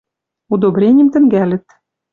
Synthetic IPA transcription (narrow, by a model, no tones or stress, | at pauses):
ud̪obɾʲenʲjɘ̆mt̪ɘ̆ŋɡælʲɘ̆t̪̚